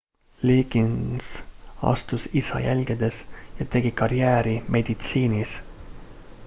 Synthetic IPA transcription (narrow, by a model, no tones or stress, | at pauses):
liːɡinsɑ̰st̪usisɑ̰jælʲɡ̥id̪̥e̞sjɑt̪e̞ɡikɑɾjæːɾimʔe̞d̪̥it̪siːnis